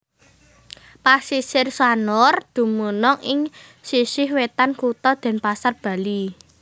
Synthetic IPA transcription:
pasisɪrswanɔrd̪̥ṳmunɔŋɪŋ | sisɪhwet̪ankut̪ɔd̪̥ɛ̤npasarb̥a̤li

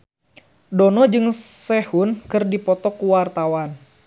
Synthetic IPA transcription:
dɔnɔd͡ʒɨŋsɛhunkɨrdipɔt̪ɔkuwart̪awan

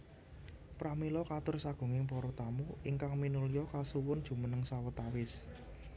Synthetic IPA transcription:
pɾamilɔkat̪ʊrsaɡ̥ṳŋɪŋpɔɾɔt̪amuʔiŋkaŋminulijɔkasuwʊnd̥ʒ̥ṳmənəŋsawɔt̪awɪs

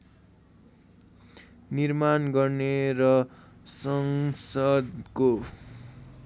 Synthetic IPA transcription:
nirmanɡʌrneɾʌsʌŋsʌd̪ko

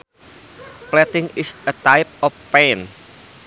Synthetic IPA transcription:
plɛt̪ɪŋɪsət̪ajp̚ɔfpɛn

